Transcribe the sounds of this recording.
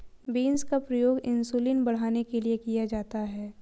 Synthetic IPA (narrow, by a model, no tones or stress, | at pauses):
biːnskapɾɐjoːɡɪ̃nsuːlinbɐɽ̤aːnekeliekijad͡ʒaːt̪aɦɛː